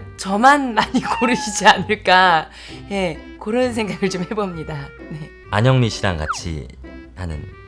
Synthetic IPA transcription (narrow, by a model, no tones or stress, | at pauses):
t͡ɕʌmanmaɲikoɾɯɕʰid͡ʑianɯɭk͈a | je̞kɯɾʌns̬ʰe̞ŋɡaɡɯɭt͡ɕomhe̞bomɲidane̞ | a̰ɲʌŋmiɕʰiɾa̰ŋɡa̰t͡ɕʰḭ | hanɯ̰n